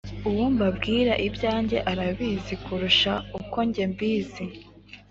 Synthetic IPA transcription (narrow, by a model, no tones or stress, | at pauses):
uwumbabɡiːɾaʔibjaːɲɟe̞ʔaɾaβiːzikuɾuʃauko̞ɲɟe̞mbiːzi